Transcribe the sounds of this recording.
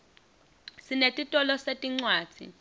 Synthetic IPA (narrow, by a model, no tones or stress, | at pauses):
sinetʼitʼɔlɔsetʼiŋ͡ǀwaːd͡z̥ʱḭ